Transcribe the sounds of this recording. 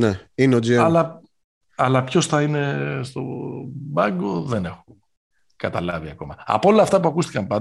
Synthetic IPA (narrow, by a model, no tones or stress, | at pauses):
neineod͡zieɐlɐ | ɐlɐpço̞sθɐine̞st̪o̞bɐŋɡo̞ðe̞ne̞xu | kɐt̪ɐlɐviɐko̞mɐɐ̰poo̞lɐːft̪ɐpuɐkust̪i̥kɐmpɐn